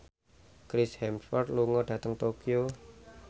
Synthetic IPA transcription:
kɾɪshɛmfɔrd̪luŋɔɖ̥ä̤t̪əŋt̪okio

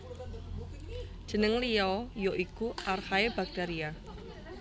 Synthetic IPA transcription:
d͡ʒ̥ənəŋliɔjoʔikuʔarhaeb̥aɡ̥̚d̥aɾia

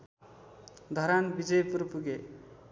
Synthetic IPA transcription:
d̪ʱʌɾanbid͡zʌjpuɾpuɡe

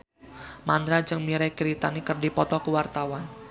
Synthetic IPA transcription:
mand̪ɾad͡ʒəŋmiɾɛkiɾit̪anikərdipɔt̪ɔkəwart̪awan

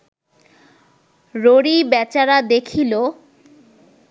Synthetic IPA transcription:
ɾoɽibɛt͡ɕaɾad̪ekʰilo

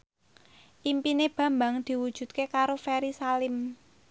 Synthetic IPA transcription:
ʔimpineb̥ä̤mbaŋd̪̥i̤wud̥ʒ̥ṳt̪̚kekaɾofeɾisalɪm

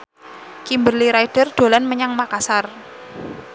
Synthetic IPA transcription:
kimbərliɾajd̥ərd̥o̤lanməɲaŋmakasar

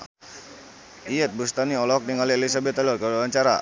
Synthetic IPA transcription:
iɛt̪̚bust̪aniɔlɔk̚niŋalielis̬abɛt̪alɔrɡabawaɲt͡ʃaɾa̰

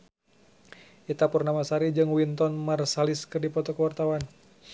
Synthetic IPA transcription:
ʔit̪apurnamasaɾid͡ʒɨŋwint̪ɔnmarsaliskɨrdipɔt̪ɔkəwart̪awan

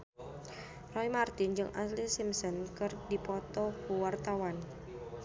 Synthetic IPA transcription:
rɔimart̪ɪnd͡ʒɨŋʔa̰slisimsɔnkərdipɔt̪ɔkuwart̪awan

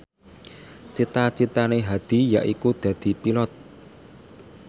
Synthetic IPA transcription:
t͡ʃit̪at͡ʃit̪aneɦad̪̥i̤jaʔikud̪̥ä̤d̪̥i̤pilɔt̪̚

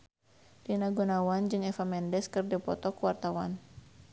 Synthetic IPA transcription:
rinaɡunawand͡ʒɨŋɛfamɛndɛskɨrdɛpɔ̰t̪ɔkuwart̪awan

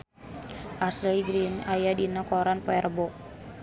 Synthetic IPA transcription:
ʔaslɛiɡɾinajadinakɔɾanpɔɛrbɔ

